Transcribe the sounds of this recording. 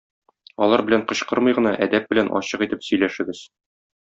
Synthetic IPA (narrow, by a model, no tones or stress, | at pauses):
ɒlˠɑɾbɘ̆læɴqɤ̆ɕqɤɾmɤ̆jʁɤ̆nɑʔæd̪æp̚bɘ̆lænʔɒ̰ɕɤqit̪ɘpsɵ̆jlæʃɘ̆ɡɘz̥